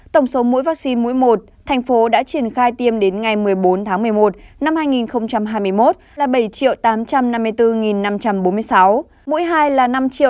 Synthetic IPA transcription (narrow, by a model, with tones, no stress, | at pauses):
t̪ə˧˩wŋ͡mso˨˦mṵ˧˥jvaː˦˥k̚si˧nmṵ˧˥jmo˨˩t̚t̪ʰɛ˨˩jŋ̟fo˨˦ɗa̰ː˧˥t͡ɕi˧˩ənxaː˧jt̪i˧əmɗe˨˦nŋa˨˩jmɨ˨˩əjɓo˨˦nt̪ʰaː˨˦ŋm˨˩əjmo˨˩t̚na˧mhaː˧jŋi˨˩nxə˧wŋ͡mt͡ɕa˧mɦaː˧jm˧əjmo˦˥t̚laː˨˩ɓə˧˩jt͡ɕḭ˧˨əwt̪aː˨˦mt͡ɕa˧mna˧mːɨ˧əjt̪ɨ˧ŋi˨˩nːa˧mt͡ɕa˧mɓo˨˦nmɨ˧əjsa˨˦w | mṵ˧˥jɦaː˧jlaː˨˩na˧mt͡ɕḭ˧˨